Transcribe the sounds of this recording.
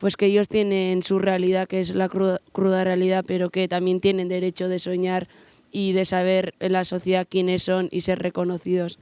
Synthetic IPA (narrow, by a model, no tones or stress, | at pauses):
pwe̞skeeʎo̞st̪je̞ne̞nsure̞alið̞akeezlakɾuðkɾuð̞are̞aliðape̞ɾo̞ke̞t̪amje̞nt̪je̞ne̞nd̪e̞ɾe̞t͡ʃo̞ð̞e̞so̞ɲaɾ | iðe̞saβ̞e̞ɾlaso̞θjeðakje̞ne̞sːo̞nḭse̞ɾre̞ko̞no̞θið̞o̞s